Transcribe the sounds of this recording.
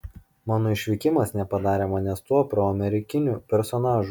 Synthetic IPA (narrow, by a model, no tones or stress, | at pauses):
mɑːnoːɪʃʲʋʲɪkʲɪmɐsnʲɛpɐd̪ɑːɾʲeːmɐnʲɛst̪uɔpɾoːɐmʲɛɾʲɪkʲɪnʲupʲɛɾsɔnɑːʒu